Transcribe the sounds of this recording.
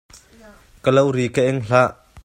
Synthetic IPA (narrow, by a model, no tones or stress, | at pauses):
kəlɐwɾikəʔɛŋɬaʔ